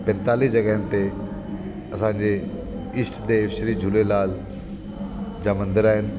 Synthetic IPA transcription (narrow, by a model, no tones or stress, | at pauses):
pɛ̃nt̪aːlisd͡ʑɐɡəɦənɪ̆t̪e | ɐsãːɲd͡ʑe | ɪsʈd̪eːfʃɾiːd͡ʑʱulelaːl | d͡ʑaːmɐ̃nd̪ɪɾaːɦɪnɪ̆